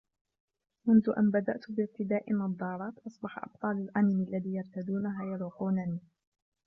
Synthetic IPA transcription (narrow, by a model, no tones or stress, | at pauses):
mʊnðʊʔanbad̪a̰ʔt̪bɪɾt̪ɪd̪aːʔɪnɑd̪ˤːɑːɾˤɑːt̪ʔɑsˤbɑħa̰ʔɑ̰b̥̚t̪ˤɑːlalʔanɪmalːaðiːjɑɾˤt̪ad̪uːnaɦaːjɑɾˤuːquːnaniː